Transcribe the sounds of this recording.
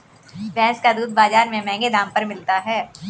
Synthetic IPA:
bɛ̃ːskad̪uːd̪̚baːzaːɾmẽmɛ̃ːŋɡed̪ãːmpɐɾmɪlt̪aɦɛː

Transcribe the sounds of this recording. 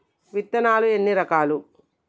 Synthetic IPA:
ʋit̪ːɐnaːlue̞nːiɾɐkaːlu

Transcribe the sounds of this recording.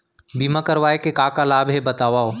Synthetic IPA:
biːmãkəɾʋaːekekaːkalaːbʱɦebɐt̪aːʋaːoː

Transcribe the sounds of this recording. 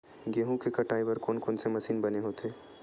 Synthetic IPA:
ɡeːɦũkekɐʈaːɪbəɾkoːnkoːnsemɐsiːnbɐneɦoːt̪eː

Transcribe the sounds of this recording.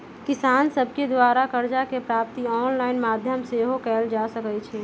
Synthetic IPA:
kɪsaːnsəbked̪waːɾakəɾd͡ʒakepɾaːp̚t̪iɔːnlaːɪnmaːd̪ʱjəmseɦokɛːld͡ʒasəkɛt͡ʃʰɛː

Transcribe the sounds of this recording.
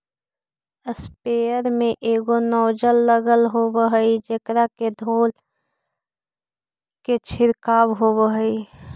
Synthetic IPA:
əspeːəɾmẽʔeːɡonɔːd͡ʒəlːəɡəlɦoːwəɦəid͡ʒəkɾaked̪ʱoːl | ket͡ʃʰɪɾkaːwɦoːwəɦəi

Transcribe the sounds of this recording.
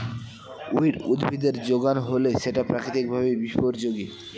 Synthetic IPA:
uiɾud̪bʱid̪eɾd͡ʑoɡanɦoleʃeʈapɾakɾit̪ik̚bʱabebiʃpoɾd͡ʑoɡi

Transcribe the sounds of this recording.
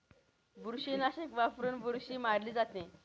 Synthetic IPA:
buɾɕinaɕekʋafɾuːnbʱuɾɕiːmaɽliːd͡zat̪ẽ

